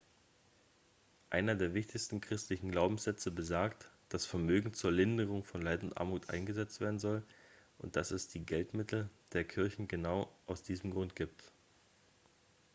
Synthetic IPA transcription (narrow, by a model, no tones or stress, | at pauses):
ʔaɪnɐdeːɐvɪçtɪçstn̩kʁ̥ɪstlɪçn̩ɡlaʊbm̩sz̥ɛt͡səbəzaːɐktd̥asfɛɐmøːɡŋ̩t͡suːɐlɪndəʁ̞ʊŋfɔnlaɪtʊntʔa̰ɐmuːtʔa̰ɪnɡəzɛt͡stv̥eːɐdn̩zɔl | ʔʊnt̚d̥asɛsd̥iːɡɛltmɪtl̩d̥eːɐkʰɪɐçn̩ɡənaʊʔaʊsd̥iːzəm̩ɡʁʊntɡ̥iːp̚t